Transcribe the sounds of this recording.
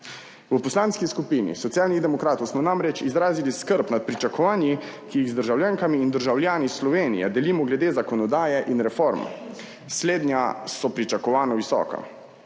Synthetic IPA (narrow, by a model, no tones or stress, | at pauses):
ʋəpɔslaːnskiskupinḭsɔt̪sijaːlnid̪ɛmɔkɾaːt̪ɔwsmɔnamɾɛt͡ʃizɾaːziliskəɾpnat̪̚pɾit͡ʃakɔʋaːnji | kijiɣzd̪əɾʒawljaːŋkamiːnd̪əɾʒawljaːnislɔʋeːnḭjɛ̰d̪ɛliːmɔɡlɛd̪eːzakɔnɔd̪aːjɛʔinɾɛfoɾm | sleːd̪njasɔpɾit͡ʃakɔʋaːnɔʋisɔ̰ːka̰